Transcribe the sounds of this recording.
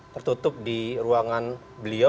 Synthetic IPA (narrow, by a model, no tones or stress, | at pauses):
t̪ərt̪ut̪ʊp̚diɾuaŋan | bəlio